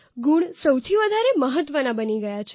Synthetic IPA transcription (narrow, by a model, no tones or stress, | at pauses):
ɡuɳsəwt̪ʰiʋəd̪ʱaɾeməɦət̪ʋənabəniɡəjat͡ʃʰ